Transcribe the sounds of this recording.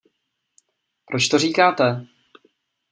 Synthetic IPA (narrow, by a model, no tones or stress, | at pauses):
pɾʔot͡ʃt̪oriːkaːt̪ɛ